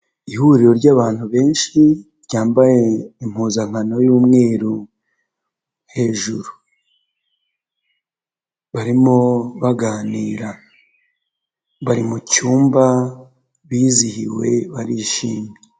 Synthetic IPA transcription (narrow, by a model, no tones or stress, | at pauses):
ihuɾiɾo̞ɾɟaːβaːn̥huβe̞ːnʃiɾɟaːmbaje̞im̥huːzaŋ̥hano̞juːmŋe̞ːɾu | he̞ːʒuɾu | βaɾimoβaɡaːniːɾa | βaɾimucuːmba | βiːzihḭwe̞̰βaɾiʃiːmɲee